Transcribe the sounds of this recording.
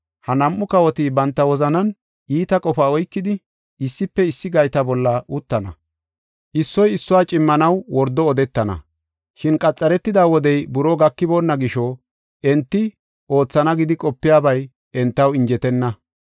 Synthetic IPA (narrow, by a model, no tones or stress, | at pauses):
hɐnɐmʔːʊkɐwɔt̪iːbɐnt̪ːɐwɔzɐnɐn | ʔiːt̪ɐkʼɔfaːɔjkːɪd̪ɪ | ɪsːɪpːɛɪsːɪɡɐjt̪ɐbɔlːɐʔʊt̪ːɐnɐ̰ | ʔɪsːɔjɪsːʊwaːt͡ʃʼɪmːɐnɐwwɔɾd̪ɔːd̪ɛt̪ːɐnɐ̰ | ʃɪnkʼɐt͡sʼːɐɾɛt̪ːɪd̪aːwɔd̪ɛjbʊɾoɡɐkːɪboːnːɐɡɪʃɔ | ʔɛnt̪ːɪ | ʔo̞ːt͡sːɐnɐɡɪd̪ɪkʼɔpːɪjaːbɐj | ʔɛnt̪ːɐwɪɲd͡ʒɛt̪ɛnːɐ